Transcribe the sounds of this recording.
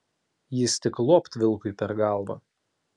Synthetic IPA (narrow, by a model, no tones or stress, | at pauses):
jɪst̪ʲɪklˠoːpt̪ʲʋʲɪlˠˑkʊɪpʲɛɾɡɑˑlˠʋɐ̰